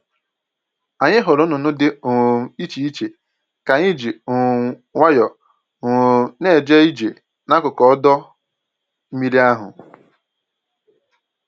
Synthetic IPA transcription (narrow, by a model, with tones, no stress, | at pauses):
a˨ɲɪ˦ɦʊ˨ɾʊ˦nʊ˨nʊ˦dɪ˦˨i˦t͡ʃi˨i˦t͡ʃe˨ | ka˨ɲi˦d͡ʒi˨ | ŋʷa˦jɔ˨ | ŋʊ˨ne˦˨d͡ʒe˦i˦d͡ʒe˨ | na˦kʊ˨kɔ˦ɔ˦dɔ˦ | m̩˦mi˦ɾi˦a˦ɦʊ̰˨